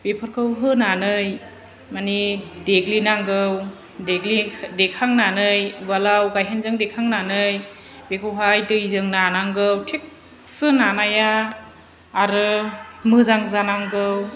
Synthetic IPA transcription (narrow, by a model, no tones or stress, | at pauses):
b̥epʰɯɾkʰɯwɦɯnanɯj | manideɡlinaŋɡɯw | deɡlidekʰaŋnanɯjbalawɡajɦenzɯŋdekʰaŋnanɯj | bekʰɯwɦajdɯjzɯŋnanaŋɡɯwtʰek̚ | sɯnanajaː | ɾɯmɯzaŋzanaŋɡɯw